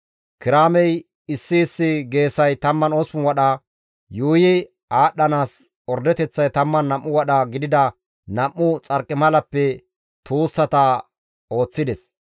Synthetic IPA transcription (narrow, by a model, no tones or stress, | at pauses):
kɪɾaːmɛj | ɪsːɪːsːɪɡe̞ːsɐjt̪ɐmːɐno̞ːsʊnwɐɗɐ | juːjɪ | aːɗːɐnaːs | ɔɾd̪ɛt̪ɛt͡sːɐjt̪ɐmːɐnːɐmːʊwɐɗɐɡɪd̪ɪd̪ɐ | nɐmːʊt͡sʼɐɾkʼːɪmɐlɐpːɛ | t̪uːsːɐt̪ɐ | o̞ːt͡sːɪd̪ɛs